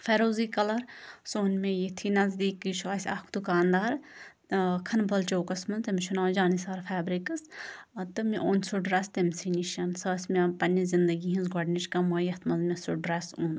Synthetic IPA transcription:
feːɾoːziːkɐlɐɾsoːnmẽjit̪ʰinɐzd̪iːkit͡ʃʰuɐsʲɐ̰kd̪ukaːnd̪aːɾ | kʰɐnbɐlt͡ʃoːkɐsmɐnt̪ɐmʃʰunaːd͡ʒaːnisaːɾfʰaːbɾikɐst̪ɨmiʔoːnsuɖɾɐst̪ɐmʲsiniʃɐnsɐːsʲmʲɐpɐnʲːɐzind̪ɐɡiɦinzɡɔɖnit͡ʃkɐmɐːjɐt̪ʰmɐzmʲɐsuɖɾeːsuːn

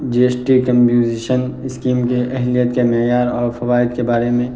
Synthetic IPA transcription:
d͡ʒieːsʈikə̃mpjuːziːʃənɪskiːmkeʔɛɦlijət̪kemejaːɾɔːɾfɐʋaːɪd̪kebaːɾemẽ

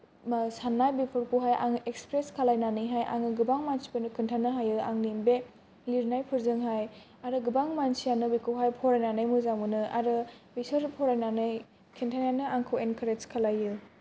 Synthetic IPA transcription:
sanːajbipʰɯɾkuɦajʔa̰ŋʔekspɾeskʰalajnanɯjɦajʔa̰ŋɯɡɯbaŋmansi̥pɯnɯkʰɯntʰanɯɦajɯa̰ŋnimbe | liɾnajpʰɯɾzɯŋɦaj | aɾɯɡɯbaŋmansijanɯbikʰɯwɦajpʰɔɾajnanajmuzamɯnɯʔa̰ɾɯbisɯɾpʰɔɾajnanɯj | kʰintʰanjanɯaŋkʰɯwenkʰaɾeskʰalajɯ

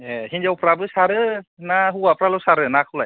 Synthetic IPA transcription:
ɛɦinzawpʰɾabɯsaɾɯnaɦuwapʰɾalɔwsaɾɯnakʰulaj

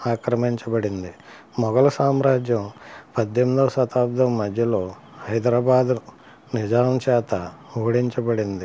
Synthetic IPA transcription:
aːkɾɐmiɲt͡ʃɐbɐɽind̪i | mɔɡɐlɐsaːmɾaːd͡ʒjɐmpɐd̪jemd̪ɐʋsɐt̪aːb̚d̪ɐmːɐd̪ʱjɐlo̞ː | hɐjd̪ɾaːbaːd̪ | nid͡ʒaːɾɐmt͡ʃɛːt̪ɐ | oːɽiɲt͡ʃɐbɐɽind̪i

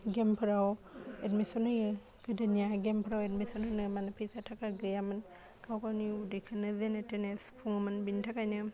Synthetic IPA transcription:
ɡempʰɯɾawetmisɔnɯjɯ | ɡ̥ɯdɯnjaɡempʰɯɾawetmisɔnɯnɯmanapʰijsatʰakaɡɯjamɯn | kʰawkawniudikʰanɯdenetenespʰuŋɯmanbintʰakajnɯ

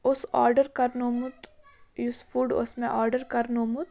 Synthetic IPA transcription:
ʊsɔːɾɖəɾkɐɾnoːmʊt̪ | jusfuːɖʊ̰smẽʔɔːɾɖəɾkɐɾnoːmʊt̪

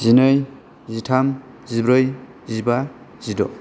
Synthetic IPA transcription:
zinɯj | zitʰam | zibɾɯj | ziba | z̥idɔ̰

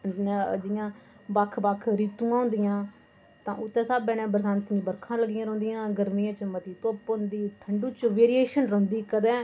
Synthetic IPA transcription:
d͡ʒɪjãː | bakʰbakʰɾiːt̪ũːãːɦʊ̃nd̪ɪjãː | t̪ãːʔʊt̪ːɛ̃ːsaːbɛ̃ːnɛ̃ːbəɾsaːnt̪ːĩbəɾkʰãːləɡɪjãːɾõːnd̪ɪjãːɡəɾmiːãːt͡ʃəmət̪iːt̪oːpːnd̪iːʈʰəɳɖuːt͡ʃʋeːɾieːʃənɾə̃ːnd̪iːkəd̪ɛ̃ː

